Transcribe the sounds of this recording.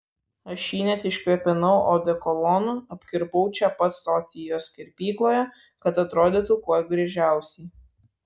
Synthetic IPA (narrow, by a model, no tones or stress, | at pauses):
ɐʃʃʲiːnʲɛt̪ʲɪʃʲkʲɛpʲɪnɐʊʔoːd̪ʲɛkɔlˠɔnʊɐpʲkʲɪɾbɐʊt͡ʃʲɛpɐt̪soːt̪ʲɪjoːsʲkʲɛɾʲpʲiːklˠoːjɛ | kɐt̪ɐt̪ɾoːd̪ʲiːt̪ukuɔjɡɾʲɛʒʲæˑʊsʲɛɪ